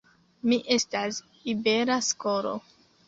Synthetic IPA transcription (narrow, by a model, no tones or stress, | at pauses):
miʔe̞stas | ibeɾasko̞ɾo̰